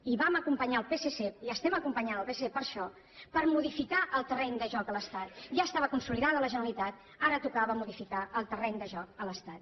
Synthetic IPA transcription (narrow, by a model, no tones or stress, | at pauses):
iβaməkumpəɲaəlˠpeseseiəst̪ɛməkumpəɲanəlˠpeseepəɾʃɔ | pəɾmuðifikaʔəlˠt̪ərɛnd̪əʒɔkələst̪at̪ʒaəst̪aβəkunsuliðaðələʒənəlit̪at̪ | aɾət̪ukaβəmuðifikaəlˠt̪ərɛnd̪əʒɔkələst̪at̪